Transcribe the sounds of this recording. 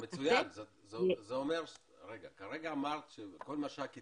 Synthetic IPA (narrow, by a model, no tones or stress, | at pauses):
met͡sujanze | zezeomeʁ | ʁeɡakaʁeɡaːmaʁt̪ʃeko̞lmaʃeaki